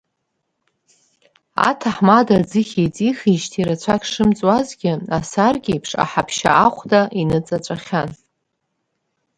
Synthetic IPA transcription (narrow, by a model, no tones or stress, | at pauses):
a̰tʰaħmadad͡zɨχʲit͡sʼixiʃtʰiɾat͡ɕʷʰakʲʰʂɨmt͡sʼwazɡʲɪasarɡʲiipʰʂa̰ħapʰʃa̰ʔaχʷdaʔinɨt͡sʼat͡ʃʷʼaχʲan